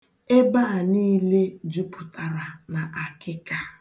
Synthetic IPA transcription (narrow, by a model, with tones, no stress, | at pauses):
e˦ba˦a˨niː˦le˦d͡ʒu˦pʊ˨ta˨ɾa˨na˨ʔa˨kɪ˦ka˦